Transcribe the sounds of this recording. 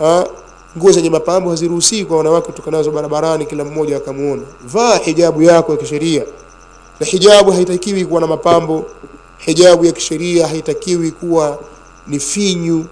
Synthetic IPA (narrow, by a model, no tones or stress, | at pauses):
a | ŋɡuɔzɛɲɛmapambɔhaziɾuhusiːkwawanawakɛutɔkanazɔɓaɾaɓaɾanikilam̩mɔʄaːkamuɔnavaːħiʄaɓujakɔjakiʃɛɾia | nahiʄaɓuɦaitakiwikuwanamapambɔ | hiʄaɓujaki̥ʃɛɾiaɦaitakiwikuwa | nifiɲu